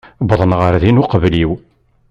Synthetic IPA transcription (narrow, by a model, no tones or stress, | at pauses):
bðˤənʁəɾðinuqəvliw